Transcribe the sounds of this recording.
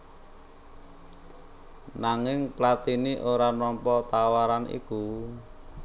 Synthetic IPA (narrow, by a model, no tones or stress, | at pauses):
naŋɪŋplat̪iniʔoɾanɔmpɔt̪awaɾanʔḭku